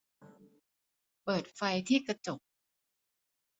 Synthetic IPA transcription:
pɤː˨˩t̪̚fa˧jt̪ʰiː˥˩ka˧t͡ɕo˨˩p̚

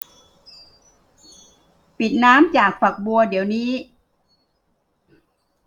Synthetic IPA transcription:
pi˨˩t̪̚naː˦˥mt͡ɕaː˨˩k̚fa˨˩k̚bu˧ɐdi˩˦əwniː˦˥

